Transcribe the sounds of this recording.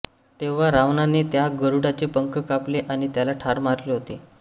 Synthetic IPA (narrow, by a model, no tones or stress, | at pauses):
t̪eʋ̤aɾaʋnaneːt̪jaɡəɾuɽat͡ɕepəŋkəkapleʔaɽ̃it̪jalaʈʰaɾmaɾleːɦot̪e